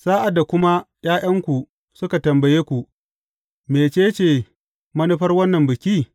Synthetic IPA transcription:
saː˦ʔa˨dːa˨kʷʊ˦ma˦ | j̰aː˦j̰ɐ˦ŋkʷu˨ | sʊ˦ka˨tɐ˨mbɐ˨jeː˦kʷu˨ʔ | meː˨t͡ʃeː˦t͡ʃeː˨ | mɐ˦ni˦ɸɐ˦rwɐ˦nːɐ˨mbɪ˨kʲiː˦

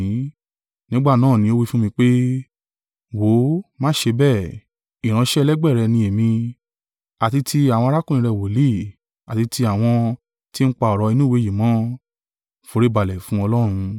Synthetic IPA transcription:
nĩ˦ɡ͡ba˦˨nãː˦˨nĩ˧˦o˦wi˦fũ˦mĩ˧k͡pe˦ | wo˨˦mã˦ʃe˧bɛ˦˨ | i˨ɾ̃ã˧ʃɛ˦˧lɛ˦ɡ͡bɛ˦˨ɾɛ˧nĩ˧e˨mĩ˧ | a˨ti˧tʰi˧a˨w̃ɔ̃˧a˧ɾa˦kũ˦˨ĩ˧ɾɛ˧˨wo˨li˦˨ | a˨ti˧ti˧a˦˨w̃ɔ̃˧ | ti˦n̩˦k͡pa˧ɔ˨ɾɔ˧i˧nũ˦˨we˨˦˨ji˨mɔ̃˨˦ | fo˨˧ɾe˦ba˨lɛ˨fũ˦ɔ˧lɔ˦ɾ̃ũ˧

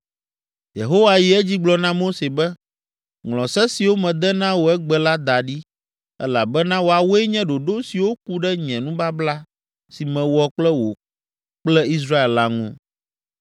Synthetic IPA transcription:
jḛ˨ɦo˦wa˨ji˨ɛ˦d͡ʑi˦ɡ͡blɔ˨nã˦mo˦se˨bɛ˦ | ŋlɔ̃˨sɛ˦si˨wo˦mɛ̃˨d̪ɛ˦nã˦wo˨ɛ˦ɡ͡bɛ˨la˦d̪a˨ɖi˦ | ɛ̰˦la˨bɛ˦nã˦wo˨a˨wo˦ɛ˦ɲɛ̃˦ɖo˨ɖo˦si˨wo˦k̚u˦ɖɛ˦ɲɛ̃˨nũ˦ba˦bla˦ | si˨mɛ̃˨wɔ˨k͡plɛ˦wo˨ | k͡plɛ˦i˦s̬ɾa˦e˨lla˦ŋṵ̃˦

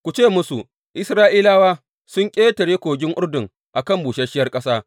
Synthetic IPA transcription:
kʷu˨t͡ʃeː˦˨mʊ˦su˨ | ʔɪ˦sɾaː˦ʔiː˦laː˦waː˦ | sʊ˦ŋkʲʼeː˦tɐ˨ɽeː˦kʷoː˨ɡʲɪ˦ŋʔʊ˦rdʊ˨ŋ | ʔa˨kɐ˦˨mbuː˨ʃɐ˦ʃɪ˦jɐ˦rkʼɐ˦saː˦

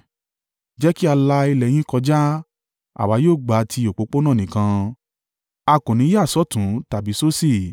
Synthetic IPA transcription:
d͡ʒɛ˦ki˦a˧la˧i˧lɛ˨j̃ĩ˦kɔ˧d͡ʒa˦ | a̰˨wa˨˦joː˦˨ɡ͡ba˨˦tʰi˧o˨k͡po˨˧˦k͡po˦nã˦˨nĩ˨kã˧ | a˧kũ˨nĩ˨˦ja˦˨sɔ˦tũ˨˦ta˨bi˨˦so˦si˦˨

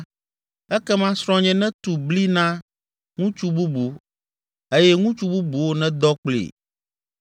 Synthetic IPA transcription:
ɛ˦kɛ˦mã˦sɾɔ̃˦ɲɛ̃˦nɛ̃˦t̪u˨bli˦nã˦ | ŋũ˦t͡ʃu˦bu˦bu˨ | e˦jɛ˦ŋũ˦t͡ʃu˦bu˦bu˨wo˦nɛ̃˦d̪ɔ˦k͡plḭ˨

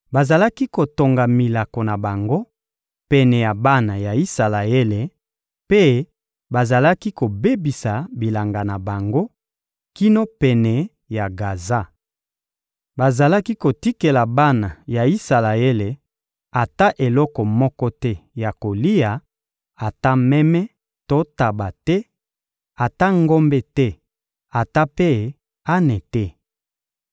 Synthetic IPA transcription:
ba˨za˨la˦ki˦ko˨to˨ŋɡa˨mi˨la˨ko˨na˨ba˨ŋɡo˦ | pɛ˨nɛ˨ja˨ba˦na˨ja˨i˦sa˨la˨e˦le˨ | pe˦ | ba˨za˨la˦ki˦ko˨be˦bi˨sa˨bi˨la˨ŋɡa˨na˨ba˨ŋɡo˦ | ki˦no˦pɛ˨nɛ˨ | ja˨ɡa˨za˦˨ | ba˨za˨la˦ki˦ko˨ti˦ke˨la˨ba˦na˨ja˨i˦sa˨la˨e˦le˨ | a˨ta˦ʔe˨lɔ˦kɔ˨mɔ˦kɔ˦tɛ˦ja˨ko˨li˦ja˨ | a˨ta˦mɛ˦mɛ˦ | to˦ta˨ba˨tɛ˦ | a˨ta˦ŋɡo˦mbɛ˦tɛ˦ | a˨ta˦pe˦˨ | a˦nɛ˨tɛ˦

